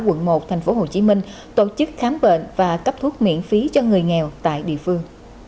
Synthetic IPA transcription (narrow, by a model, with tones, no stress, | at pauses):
kwə̰˧˨nmo˨˩t̪ʰjŋ̟fo˨˦ɦo˨˩t͡ɕi˨˦mï˧ŋ̟ | t̪o˧˩t͡ɕɨ˦˥k̚xaː˨˦mɓḛ˧˨nvaː˨˩kə˦˥p̚t̪ʰu˦˥ət̚mḭ˧˨ənfi˨˦t͡ɕɔ˧ŋɨ˨˩əjŋɛ˨˩wt̪a̰ː˧˨jɗḭ˧˨əfɨ˧əŋ